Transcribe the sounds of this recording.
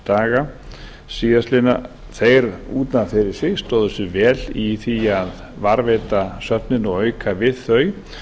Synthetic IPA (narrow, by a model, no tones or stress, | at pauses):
t̪aːɣa | siːðaslɪna | θejɾuːt̪nafeɾɪ̥sest̪oðʏsʏvɛːliθiað | vaɾveːt̪asœp̪̚nɪnɔɣœːɥkʰavɪðθœɥ